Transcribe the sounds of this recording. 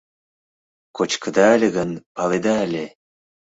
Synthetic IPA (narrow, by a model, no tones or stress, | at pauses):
kot͡ɕkə̆d̪ɑːlʲeɣənpɑled̪ɑːlʲe